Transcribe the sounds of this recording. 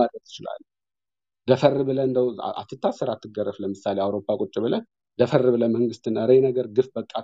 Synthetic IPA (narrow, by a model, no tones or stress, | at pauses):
ad̪ət̪jɪt͡ʃɪla̰lː | d̪əfərːɨβɨləɨnd̪əw̰a̰t̪ːɨt̪ʰːasɨɾat̪ːɨɡərːəfləmɨsaleawɾo̞pʰʼːakʼʊt͡ʃʼːɪβɨlə | d̪əfərːɨβɨləməŋɡɨst̪ɨnəɾejnəɡəɾɡɨfbəkʼːa